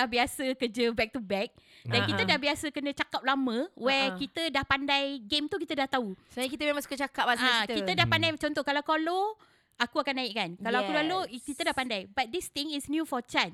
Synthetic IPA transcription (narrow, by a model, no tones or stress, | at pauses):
ahbiasəkəd͡ʒəbɛk̚t̪ubɛk̚dankit̪ədahbiasəkənə̃t͡ʃakap̚lamə̃wɛkit̪ədahpandajɡemt̪ukit̪ədaht̪ausəaɲakit̪əmẽmãŋsu̥kət͡ʃakap̚asaakit̪kit̪ədahpandajt͡ʃɔnt̪ɔhkalawkalo | akuakanːaiʔkankalawakkudahlokit̪ədahpandajbat̪̚d̪ist̪iŋisnjufɔt͡ʃan